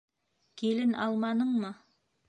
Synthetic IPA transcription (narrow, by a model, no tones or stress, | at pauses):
kilɘnʔɑlˠmɑnɤɴmɤ